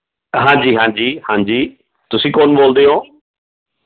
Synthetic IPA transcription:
ɦãːɲd͡ʒiːɦãːɲd͡ʒiːhãːɲd͡ʒiː | t̪ʊsĩːkoːnboːld̪eːɦoː

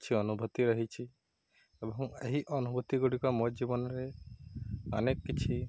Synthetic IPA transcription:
t͡ʃʰiɔnubʱɔt̪iɾəɦit͡ʃʰi | ebɔɦɔ̃ŋeɦiʔɔnubʱɔt̪iɡuɽikɔmod͡ʒibɔnɔɾe | ɔnekːit͡ʃʰi

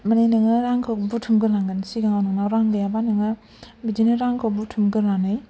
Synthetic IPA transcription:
manejnɯŋɯɾaŋkʰɯwbutʰumɡɯlaŋɡɯnsiɡaŋawnɯŋnawɾaŋbejabanɯŋɯ | bid͡ʒinɯɾaŋkʰawbutʰumɡɯlanɯj

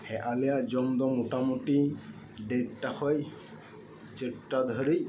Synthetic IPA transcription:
hɛʔalɛjaʔd͡ʒɔmd̪ɔmuʈamuti | ɖɛʈːaxɔj | t͡ʃeʈːad̪ʱɔɾi

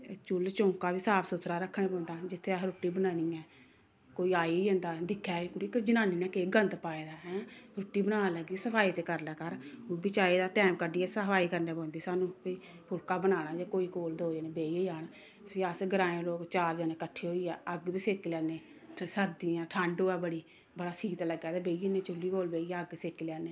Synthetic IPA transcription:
t͡ʃʊlt͡ʃõːkaːbiːsaːpʰsʊt̪ʰɾaːɾəkʰːɽẽːpɔ̃ːnd̪aːd͡ʒɪt̪ʰːeaɦɾʊʈːiːbənaːniːɛː | koːiːaːieõːnd̪aːd̪ɪkʰːɛːkʊɽikd͡ʒənãːniːnɛːkeːɡənt̪paːeːd̪aːɦɛ̃ːɾʊʈːiːbənaːaləɡisəpʰaːiːt̪eːkəɾlaːkəɾːbit͡ʃaːiːd̪aːʈɛːmkəɖiːɛːsaːiːkəɾneːpɔ̃ːnd̪iːsaːnũːpiː | pʰʊlkaːbənaːnaːd͡ʒeːkoːiːkoːld̪oːeːneːbeːieːd͡ʒaːn | səsɡəɾãːẽːloːkt͡ʃaːɾd͡ʒaːnẽːkəʈʰːeːɦoːiːɛːəɡbiːseːkilɛːneː | səɾd̪iːãːʈʰəɳɖoːɛːbəɽiː | bəɽaːsiːt̪ləɡaːd̪eːbeːienẽːt͡ʃʊlːiːkoːlbeːiəɡseːkilɛːneː

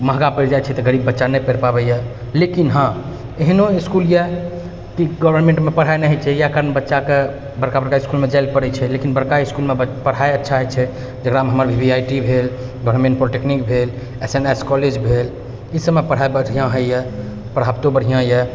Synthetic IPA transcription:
məɦɡapəɾd͡ʒajt͡ʃʰɛt̪ɔɡəɾibːətːʃanɛjpəɾpabɛjɛ | lekinɦã | eɦnoiskuljɛ | kiɡɔbʱəɾnmẽɳʈmepəɽ̤ɦajnəɦɛt͡ʃʰɛjakəɾənbətːʃake | bəɾkabəɾkaiiskulmed͡ʒalpəɾɛt͡ʃʰɛlekinbəɾkaiskulmepəɽ̤aeətːʃʰaɦət͡ʃʰɛ | d͡ʒəɡɾameɦəməɾbʱibʱiajʈibʱel | ɡɔbʱəɾmẽɳʈ̚pɾoʈeknikbʱel | eseneskɔled͡ʒbʱel | isəbmːepəɽ̤aebəɽʱijãɦəjɛ | pəɽ̤ɦabt̪obəɽ̤ijãjɛ

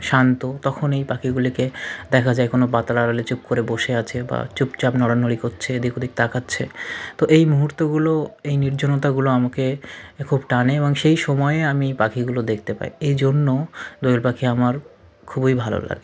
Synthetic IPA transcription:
ʃant̪ot̪ɔkʰonejpakʰiɡuliked̪ɛkʰad͡ʑaekonobat̪alaɾalet͡ɕup̚koɾeboʃeat͡ɕʰeba̰t͡ɕupt͡ɕapnɔɽanolikotːɕʰed̪ikod̪ik̚t̪akʰatːɕʰet̪oʔejmuɦuɾt̪oɡuloejniɾd͡ʑʱonot̪aɡuloamakekʰubʈaneeboŋʃejʃɔmɔeeamipakʰiɡulod̪ekʰt̪epa̰jejd͡ʑonːod̪ojolpakʰiamaɾ | kʰubojbʱalo̰la̰ɡe

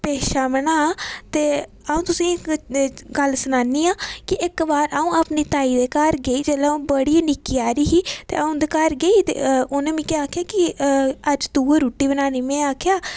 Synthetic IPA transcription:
peːʃaːməɳaːt̪eː | aːũːt̪ʊsĩː | ɡəlsənaːniːaːkɪʔɪkbaːɾaːũːaːpniːt̪aːiːd̪eːkaːɾɡeiːd͡ʒeːlaːũːbəɽiːaːnɪkːiːaːɾiːɦiːt̪ḛːaũːnd̪ekaːɾɡeiːt̪ḛːʊnẽːmĩːkːaːkʰjaːkɪəd͡ʒt̪uːeɾuːʈiːbənaːniːmẽːaːkʰjaː

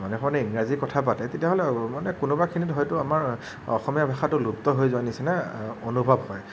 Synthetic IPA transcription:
manɛxʰanɛiŋɹazikɔtʰapatɛtetijaɦolɛmanɛkʊnubakʰinitɦɔjtʊamaɹ | ɔ̰xɔmiabʱaxatʊluptɔɦojzʊanisɛnaonubʱabhɔj

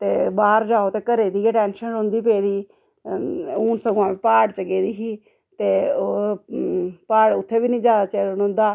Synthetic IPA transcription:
t̪eːbaːɾd͡ʒaːoːt̪eːkəɾeːd̪iːeːʈɛːnʃənõnd̪iːpeːd̪iː | uːnsəɡoãːiːpaːɽt͡ʃəɡeːd̪iːɦiː | t̪eːo | paːɽʊt̪ʰːeːbiːnĩːd͡ʒjaːd̪aːt͡ʃeːɾonõːnd̪aː

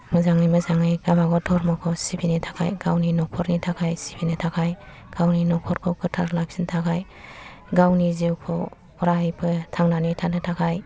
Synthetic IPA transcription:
mɯzaŋɯjmɯzaŋɯjɡabaɡɔtʰɔɾmɔkʰɔsibinitʰḁkʰa̰jɡawninɔkʰɔɾnitʰakʰajsibinɯtʰakʰaj | ɡ̥awninɔkʰɔɾkʰɔkɯtʰaɾlak̚sintʰakʰaj | ɡawniziwkʰo̰ | pɾajpʰɯtʰaŋnanitʰanɯtʰakʰaj

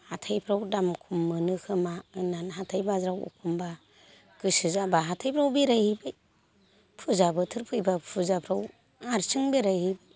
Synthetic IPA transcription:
hatʰajpʰɾawdamkʰumːɯnɯkʰɯmaɯnanɦatʰajbazɾawṵkʰumba | ɡ̥ɯsɯzabaɦatʰajpʰɾawbiɾajhɯbɯj | pʰuzabɯtʰɯɾpʰɯjbapʰuzapʰɾaw | aɾsɯŋbeɾajhibɯj

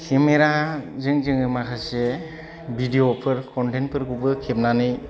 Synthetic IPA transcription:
kʰemeɾazɯŋzɯŋɯmakʰase | bʱidiopʰɯɾkʰɔnten̚pʰɯɾkubɯkʰep̚nanɯj

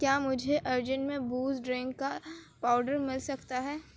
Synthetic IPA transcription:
kjaːmʊd͡ʒʱeʔɐɾd͡ʒənmẽbuːzɖɾɪ̃ŋɡka | paːʊɖəɾmɪlsɐkt̪aɦɛː

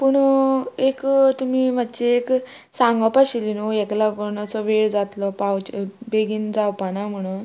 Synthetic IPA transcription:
puɳekt̪umiːmat̪ːt͡ɕeek | sãŋɡapaɕilinojeklakonasɔʋeɭd͡zat̪lɔpawt͡ɕbeɡiːnd͡zawpanam̤əɽ̃un

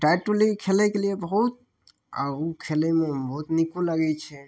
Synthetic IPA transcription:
ʈajʈulikʰelɛkeliebəɦut̪̚ | a̰ukʰelɛmebəɦut̪nikuləɡɛt͡ʃʰɛ

